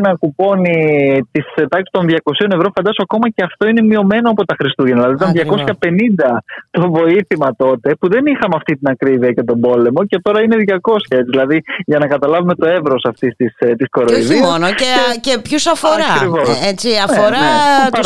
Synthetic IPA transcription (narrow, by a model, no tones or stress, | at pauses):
nɐkupo̞nit̪iset̪ɐksi̥t̪o̞nðʝɐko̞sio̞ne̞vɾo̞fɐnd̪ɐsoɐko̞mɐce̞ɐft̪o̞ine̞mio̞me̞no̞ɐpo̞t̪ɐxɾist̪uʝenðilɐðiot̪ɐnðʝɐko̞sçɐpe̞nind̪ɐt̪o̞vo̞iθimɐt̪o̞t̪e̞puðe̞nixɐmɐft̪it̪inɐkɾiviɐcet̪o̞bo̞le̞mo̞ce̞t̪o̞ɾɐine̞ðʝɐko̞sçɐet͡siðilɐðiʝɐnɐkɐt̪ɐlɐvume̞t̪o̞e̞vɾo̞sɐft̪ist̪ist̪isko̞ɾoiðisonoecepçusɐfoɾɐkɾivo̞sset͡siɐfoɾɐ